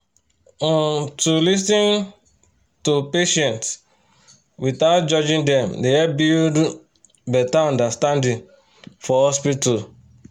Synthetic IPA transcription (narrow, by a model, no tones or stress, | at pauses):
ɔ̃ntulis̬ĩn | tupeʃɛ̃nts | witaʊt̚d͡ʒɔd͡ʒĩndɛ̃mdeɛbid | bɛtaɔ̃ndastãndĩn | fɔhɔspital